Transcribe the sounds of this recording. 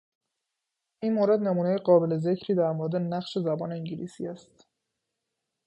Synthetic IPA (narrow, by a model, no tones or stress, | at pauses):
ʔiːnmoɾe̞d̪ne̞muːnejeɢɒːbe̞le̞ze̞cʰɾiːd̪æɾmoɾed̪e̞næχʃe̞zæbɒːne̞iŋɟilḭːsḭːæst̪